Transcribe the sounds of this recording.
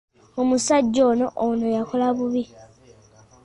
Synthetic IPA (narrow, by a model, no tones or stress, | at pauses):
omusaɟːo̞ːno̞ʔono̞jakʰo̞laβuβi